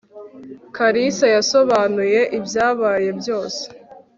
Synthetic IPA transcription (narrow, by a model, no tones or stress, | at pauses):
kaɾisajaso̞βaːnuje̞ʔibjaːβaːje̞bjo̞ːse̥